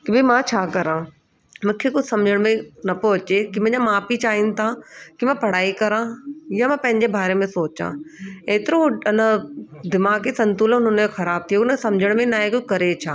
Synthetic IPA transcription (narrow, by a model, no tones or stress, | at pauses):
kibʱimãt͡ɕʰaːkɐɾãː | mʊ̃kʰekʊsɐmd͡ʑʱəɽ̃mẽnɐpoɐt͡ɕekimɐ̃ːɲd͡ʑamaːpit͡ɕaːin̆t̪ʰakimãpɐɽ̤aːikɐɾãjamãːpɐ̃ɦɪ̃ɲd͡ʑebʱaːɾemẽsoːt͡ɕã̰eːt̪ɪɾõɪnəd̪ɪmaːɡisɐ̃nt̪uːlʊnənoxɐɾaːb̚t̪ʰijonəsɐ̃md͡ʑʱəɽ̃mẽnaːẽkokɐɾet͡ɕʰaː